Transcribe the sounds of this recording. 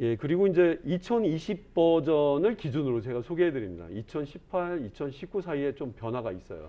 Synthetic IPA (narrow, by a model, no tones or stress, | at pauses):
je̞kɯɾiɡoind͡ʑe̞it͡ɕʰʌniɕʰib̚pʌd͡ʑʌnɯɭkid͡ʑunɯɾot͡ɕe̞ɡasʰoɡeɦedɯɾimɲida̰it͡ɕʰʌnɕʰipʰaɭit͡ɕʰʌnɕʰip̚k͈usʰaie̞t͡ɕompjʌnwaɡais͈ʌjo̰